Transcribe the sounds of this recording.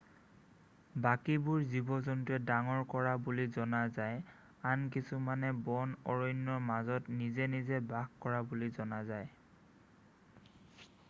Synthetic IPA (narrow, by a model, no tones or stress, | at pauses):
bakibʊɹzibɔzɔntɛdaŋɔɹkɔɹabulizɔnazaj | ank̬isumanɛbɔnɔɹɔjnːɔɹmazɔtnizɛnizɛbaɡkɔɹabulizɔnazaj